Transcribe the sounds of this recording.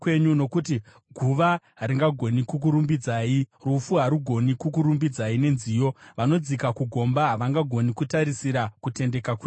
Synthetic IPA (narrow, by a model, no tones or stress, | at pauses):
kwe̞ɲuno̞kuti | ɡʱuʋaɦaɾiŋɡaɡʱo̞nikuk̬uɾumbid͡zaːirufuɦaɾuɡʱo̞nikukuɾumbid͡zaine̞nziːjo̞ʋano̞d͡zikakuɡʱo̞mbaɦaʋaŋɡaɡʱo̞nikutaɾisiɾakute̞nde̞kakwi